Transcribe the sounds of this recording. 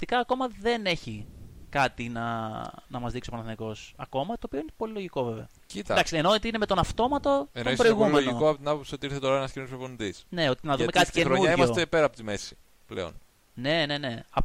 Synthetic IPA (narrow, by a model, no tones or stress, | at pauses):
t̪ikɐːko̞mɐðe̞ne̞çikɐt̪inɐnɐmɐzðikso̞pɐnɐθniko̞sɐ̰ko̞mɐt̪oːpio̞inepo̞lilo̞ʝiko̞ve̞ve̞ɐ | cit̪ɐd̪ɐksienot̪iinemet̪o̞nɐft̪o̞mɐt̪o̞enospɾoiɣumeʝnoikoɐpot̪inɐpopsiot̪iiɾθeoɾɐenɐscinospɾoponnd̪isne̞ot̪inɐðumekɐt̪ieɾoɐimɐsot̪epe̞ɾɐpot̪ime̞si̥ | plḛo̞̰n | ne̞ne̞ne̞ɐp